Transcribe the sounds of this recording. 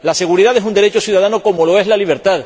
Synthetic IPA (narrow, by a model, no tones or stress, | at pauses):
lase̞ɣ̞uɾiðaðe̞sund̪e̞ɾe̞t͡ʃosjuð̞að̞anoko̞mo̞lo̞e̞zlaliβ̞e̞ɾt̪að